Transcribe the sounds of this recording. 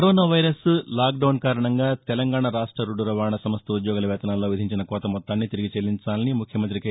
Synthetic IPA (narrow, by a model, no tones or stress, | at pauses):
ɾoːnaːʋɐjɾɐslaːk̚ɖɐwnkaːɾɐɳɐŋɡaːt̪ɛlɐŋɡaːɳɐɾaːʂʈɾɐɾuɖuɾɐʋaːɳɐsɐmɐst̪ɐud̪jɔːɡɐlɐʋɛːt̪ɐnaːlːoːʋid̪ʱiɲt͡ʃinɐkɔːt̪ɐmɔt̪ːaːnːit̪iɾiɡit͡ʃelːiɲt͡ʃaːlɐnimukʰjɐmɐnt̪ɾik